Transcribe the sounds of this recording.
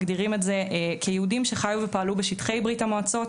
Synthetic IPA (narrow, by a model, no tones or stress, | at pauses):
ɡdiʁimetzeʔekʰejeudimʃe̞χajuvepaalubeʃitχe̞jbʁitamoat͡so̞t